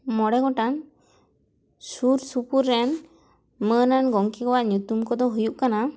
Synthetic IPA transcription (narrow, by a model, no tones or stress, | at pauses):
mɔɽɛɡɔʈan | suɾsupuɾːɛn | mənanɡɔŋkikɔwaʔɲut̪umkɔd̪ɔɦujuʔkana